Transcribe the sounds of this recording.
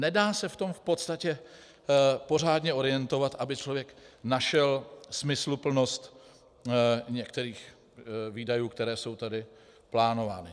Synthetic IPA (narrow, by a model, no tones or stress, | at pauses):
nɛdaːsɛft̪o̞mfpo̞t̪st̪acɛ | po̞r̝aːdɲɛo̞ɾɪjɛnt̪o̞vat̪ʔabɪt͡ʃlovjɛknaʃɛlsmɪslupl̩no̞st̪ | ɲɛkt̪ɛɾiːx | viːdajuːkt̪ɛɾɛːso̞wt̪adɪ | plaːno̞va̰ːnɪ